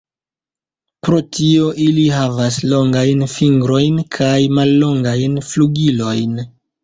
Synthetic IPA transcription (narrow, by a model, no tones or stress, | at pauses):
pɾo̞tʰio̞ʔiliɦavas̬lo̞ŋɡajnfiŋɡɾo̞jnkʰajmalːo̞ŋɡajnfluɡilo̞jn